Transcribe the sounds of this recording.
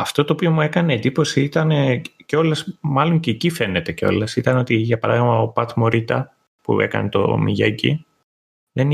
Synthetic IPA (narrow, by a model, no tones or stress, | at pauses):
ɐft̪o̞t̪oːpio̞mue̞kɐne̞ːd̪ipo̞siit̪ɐneceo̞lɐsmɐlo̞ɲceːcife̞ne̞t̪e̞ceo̞̰lɐsit̪ɐno̞t̪iʝɐpɐɾɐ̰ðiɣmɐopɐt̪mo̞ɾit̪ɐ | pṵe̞̰kɐ̰net̪o̞̰miʝecḭ | ðen